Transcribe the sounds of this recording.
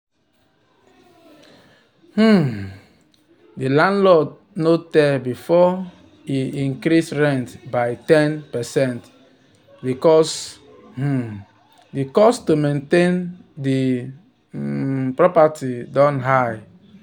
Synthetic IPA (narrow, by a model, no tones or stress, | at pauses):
h̩ | dilãndlɔt | notɛbifɔ | iĩŋkɾisɹɛ̃ntbaɪtɛ̃npɛsɛ̃nt | bikɔs | h̩ | dikɔstomẽntẽndi | pɹɔpatidɔ̃nɦaj